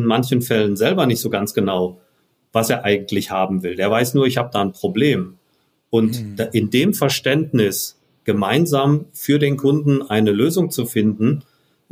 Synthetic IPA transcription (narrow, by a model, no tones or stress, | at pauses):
nmançn̩fɛlənzɛlbɐnɪçtz̥oːɡant͡sɡ̥ənaʊ | vaseːɐʔaɪɡŋ̩tʰlɪçhaːbm̩vɪldeːɐvaɪsnuːɐɪçhaːbədaːnpʁ̥obleːm | ʔʊntʔɪndeːmfɛɐʃtɛntnɪs | ɡ̥əmaɪnzaːmfyːɐdeːnkʰʊndn̩ʔaɪnəløːzʊŋt͡sufɪndn̩